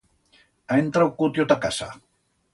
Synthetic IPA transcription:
ajnt̪ɾawkʊt̪jot̪aka̰sa̰

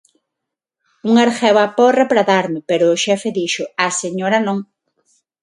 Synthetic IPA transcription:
uŋaɾxeβaporepɾaðaɾmɪpeɾʊːʃɛfeðiʃʊaseɲoɾanõŋ

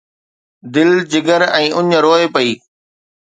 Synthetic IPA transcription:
d̪ɪld͡ʑɪɡəɾɛ̃ːʔʊɲɾoːepɐiː

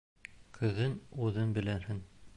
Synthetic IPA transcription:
qʰɤ̆ðɤnuðɤnbɘ̆læhɘŋ

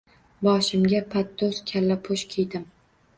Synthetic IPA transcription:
bɒʃɪmɡʲapʰat̪ːoskʲʰalːapʰoʃkʲʰejd̪ɪm

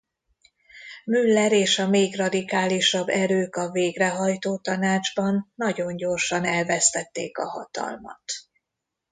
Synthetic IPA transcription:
mylːɛɾeːʃɒmeːɡrɒd̪ikaːliʃɒbːɛɾøːkɒveːɡrɛɦɒjt̪oːt̪ɒnaːd͡ʒbɒnːɒɟo̞ɲɟo̞rʃɒnɛlvɛst̪ɛt̪ːḛːkɒ̰ɦɒ̰t̪ɒ̰lmɒ̰t̪

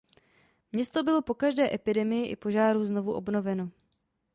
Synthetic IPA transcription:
mɲɛst̪o̞bɪlo̞po̞kaʒdɛːʔɛpɪdɛmɪjɪʔɪ̰po̞ʒaːɾuzno̞vuʔo̞bno̞vɛno̞

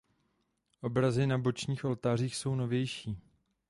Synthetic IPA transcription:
ʔo̞bɾazɪnabo̞t͡ʃɲiːxʔo̞lt̪aːr̝iːxso̞wno̞vjɛjʃiː

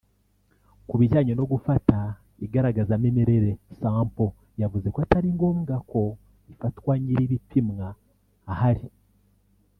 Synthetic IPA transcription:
kuβiʒaːɲono̞ɡufata | iɡaɾaɡazamemeɾe̞ɾe̞saːmpo̞ | javuze̞kwataɾiŋɡo̞muɡakʰo̞ | ifatwaɲiɾiβipʰimŋaː | haɾi

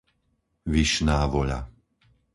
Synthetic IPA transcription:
ʋiʃnaːʋɔʎa̰

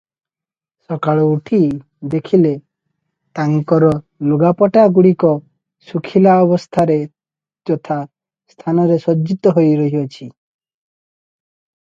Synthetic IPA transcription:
sɔkaɭɔuʈʰi | d̪ekʰile | t̪aŋikɔɾɔ | luɡapɔʈaɡuɽikɔ | sukʰilaɔbɔst̪ʰaɾe | d͡ʒɔt̪ʰa | st̪ʰanɔɾesɔd͡ʒit̪ɔɦojɾɔɦiɔt͡ʃʰi

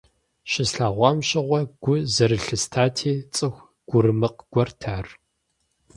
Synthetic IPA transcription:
ʃɪsɬaːʁʷɑmɕʼɪʁʷɔɡ̥ʷʊzɐɾɨɬɨstʰaːtʰiːt͡sʼɨxʷ | ɡ̥ʷʊrɨmɨqɡ̥ʷɔrtʰaːr

